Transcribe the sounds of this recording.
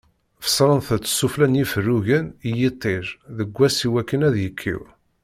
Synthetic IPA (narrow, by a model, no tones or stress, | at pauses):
fə̥sˤɾˤənθət͡sːsːuflænjifərːuʝənijit̪ˤːeɾðəɡʷːæsiwækːənæðjəkʰːḭw